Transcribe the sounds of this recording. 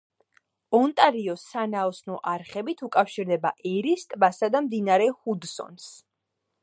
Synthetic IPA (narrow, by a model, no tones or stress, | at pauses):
ɔnt̪ʼaɾiɔsanaɔsnɔʔaɾχɛbit̪ʰukʼafʃiɾd̪ɛbaʔɛɾist̪ʼbasad̪amd̪inaɾɛhud̪sɔ̰ns